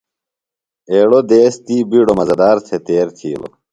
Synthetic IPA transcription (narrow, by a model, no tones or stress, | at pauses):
eːɽod̪eːst̪iːbiːɽomɐzɐd̪aːɾt̪ʰet̪eːɾt̪ʰiːlo̰